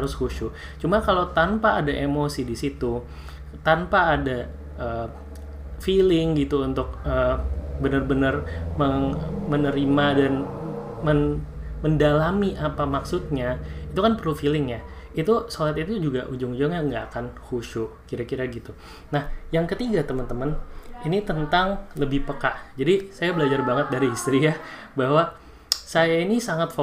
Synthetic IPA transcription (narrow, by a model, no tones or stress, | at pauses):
haɾʊshuʃu | t͡ʃumakalot̪ampaːdaʔemosidisit̪u | t̪anpaːda | ʔəː | filɪŋɡit̪uunt̪ʊk̚əːbənərbənərməŋmənəɾimadan | mən | məndalamiʔapamaksut̪̚ɲait̪ukanpərlufilɪŋja | it̪usolat̪it̪ud͡ʒuɡaʔud͡ʒʊŋud͡ʒʊŋaŋɡaːkanhuʃukiɾakiɾaɡit̪u | nahjaŋkət̪iɡat̪əmənt̪əməninit̪ənt̪aŋləbɪhpəkaʔd͡ʒadisajabəlad͡ʒarbaŋət̪̚daɾiist̪ɾija | baɦwa | sajainisaŋat̪fo